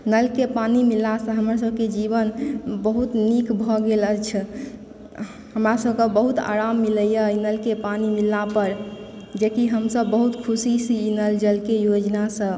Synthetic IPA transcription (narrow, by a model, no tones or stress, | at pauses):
nəlkepanimilasə̃ɦəmas̬əbʱked͡ʒibənbəɦut̪nikbʱɔɡelət͡ʃʰ | həmɾasəbʱkə̃bəɦut̪a̰ɾamːiləjəinəlkepanimilapəɾ | d͡ʒekiɦəmsəbːəɦut̪kʰusisinəld͡ʒəlkejod͡ʒnasə̃